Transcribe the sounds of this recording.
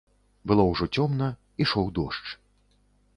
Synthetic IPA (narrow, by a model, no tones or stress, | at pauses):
bɨlˠɔwʐɔt͡sʲɔmnɐ | iʂɔwd̪ɔʂt͡ʂ